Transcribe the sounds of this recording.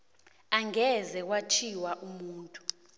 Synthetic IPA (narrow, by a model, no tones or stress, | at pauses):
aŋʱɛzɛk̬wat͡ʃʰiwaʔumuːntʼu̥